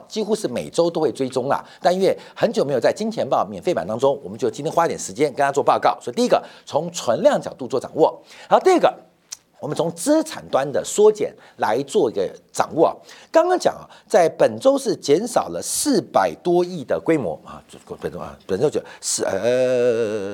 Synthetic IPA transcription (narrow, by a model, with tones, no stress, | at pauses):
t͡ɕi˥xu˥ʂɻ̩˥˩me˨˩ɪʈ͡ʂo˥ʊt̪o˥ʊxwe˥˩ɪʈ͡ʂwe˥ɪʈ͡ʂʊ˥ŋɐ̰˨t̪a˥˧nɥɛ˥˩xə˧˥nt͡ɕo˨˩me˧˥jo˨˩t͡sa˥˩ɪt͡ɕi˥ŋt͡ɕ̪ʰjɛ˧˥npɑ˥˩mjɛ˨˩nfpa˨˩nt̪ɑ˥ŋʈ͡ʂʊ˥ŋwɔ˨˩mə˦t͡ɕo˥˩ʊt͡ɕi˥nt̪ʰjɛ˥xwa˥˧t̪jɛ˨˩ʂɻ̩˧˥t͡ɕjɛ˥nkə˥nt̪ʰa˥wɔ˥˧pɑ˥˧ʊkɑ˥˩ʊswɔ˧˥i˧t̪i˧i˥ɡə˨t͡sʰʊ˧˥ŋt͡sʰwə˧˥nljɑ˥˩ŋt͡ɕjɑ˨˩ʊt̪u˥˧t͡swɔ˥˩ʈ͡ʂɑ˨˩ŋwɔ˥˩˧t̪i˥ə˥˩ɡə̰˩ | wɔ˨˩mə˦nt͡sʰʊ˧˥ŋt͡sɹ̩˥t͡sʰa̰˨˩nt̪wa˥nd̪ə˨swɔ˥t͡ɕjɛ̰˨˩n | la˧˥ɪt͡swɔ˥˧i˧˥ɡə˧ʈ͡ʂɑ̰˨˩ŋwɔ˥˩ɐ̰˨˩kɑ˥ŋkɑ˥ŋt͡ɕjɑ̰˨˩ŋɐ̰˨˩t͡sa˥˩ɪpə˨˩nʈ͡ʂo˥ʊʂɻ̩˥˩t͡ɕjɛ˧˥nʂɑ˨˩ʊlə˦sɹ̩˥˩pa˨˩ɪt̪wɔ˥i˥˩d̪ə˩kwe˥ɪmwɔ̰˧˥˧pn̰˥˧˩pə˨˩nʈ͡ʂo˥ʊt͡ɕʂ̩˥˧ə˧˩